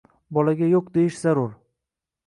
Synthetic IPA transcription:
bɒlaɡʲajoqd̪e̞jɪʃz̥aɾʊɾ

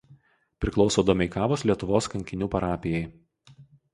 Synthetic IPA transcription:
pʲɾʲɪklˠɒʊsoːd̪ɐmʲɛɪkɑːʋoːslʲiɛt̪ʊʋoːskɐŋʲkʲɪnʲuːpɐɾɑːpʲɪjɛɪ

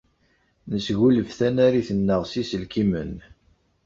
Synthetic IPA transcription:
nəsɣuləvθænæɾiθənːəʁsisəlkimən

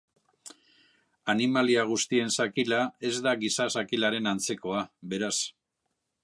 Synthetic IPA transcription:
animaliaɣ̞ust̪ie̞nsakilae̞zd̪aɣisasakilaɾe̞nant͡se̞ko̞aβe̞ɾas

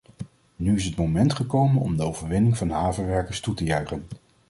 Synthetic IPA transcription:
nyɪs̬ɦətmowmɛntχəkowmənɔ̰mdəowvəɹʋɪnɪŋvɑnɦaːvəɹʋɛɹkəɹstutəjœɥχən

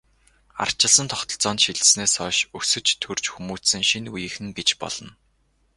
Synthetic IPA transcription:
a̰r̥t͡ɕɪ̆ɮsə̆nt̪ʰɔχt̪ɞ̆ɮt͡sɔːnt̪ʃiɮsneːsɔːʃɵsɵ̆t͡ɕt̪ʰɵr̥t͡ɕxumuːsɘ̆ŋʃinujɘ̆xɘ̆ŋɡet͡ɕpɔ̰ɮ̥ɞ̆n

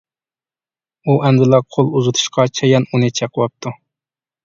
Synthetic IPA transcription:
uʔɛnd̪ɨlˠɑqʰolˠuzɨt̪ʰu̥ʃqʰɑt͡ʃʰɛjɛnunɨt͡ʃʰɛqʰwɑp̚t̪ʰu

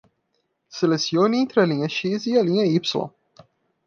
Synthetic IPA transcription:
selesiõnẽnt̪ɾɪɐlĩɲɐʃiziɐlĩɲɐipsulɐ̰̃

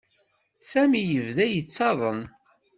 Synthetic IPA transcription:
sæmijəvðæjət͡sːɑðˤəm

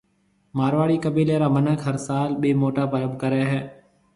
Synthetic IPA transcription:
maːɾʋaːɽiːkəbiːleːɾaːmənəkɦəɾsaːlɓeːmoːʈaːpəɾəbʱkəɾeːɦɛː

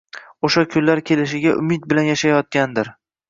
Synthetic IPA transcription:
oʃakʲʰʊnlaɾkʲʰe̞lɪʃɪɡʲaʔʊ̰mɪt̪̚bɪlanjaʃajɒt̪̚kʲand̪ɪɾ

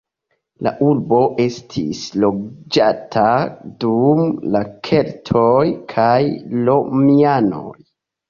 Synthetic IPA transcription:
la̰ʔuɾbo̞ʔe̞stʰḭslo̞d͡ʒatʰadumlakʰe̞ltʰojkʰajlo̞miano̞̰j

